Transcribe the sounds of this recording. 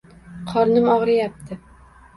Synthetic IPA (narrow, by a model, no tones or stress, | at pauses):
qʰɒɾnɪmɒʁɾɪjap̚t̪ʰɪ